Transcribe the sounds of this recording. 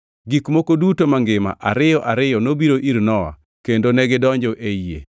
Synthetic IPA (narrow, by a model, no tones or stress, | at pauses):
ɡikmokodutomaŋɡɪma̰ʔa̰ɾɪjɔʔaɾɪjɔnobiɾoʔiɾnɔwa̰ | kendonɛɡɪdɔɲd͡ʒɔʔeiḛ